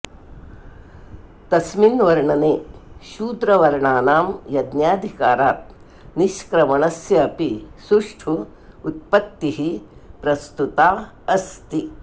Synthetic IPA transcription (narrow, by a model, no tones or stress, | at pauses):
t̪ɐsminʋɐɾɳɐneːʃuːd̪ɾɐʋɐɾɳaːnaːmjɐd̪njaːd̪ʱikaːɾaːt̪̚ | niʃkɾɐmɐɳɐsjɐːpisuʂʈʰuː | t̪̚pɐt̪ːiɦipɾɐst̪ut̪aː | ɐst̪i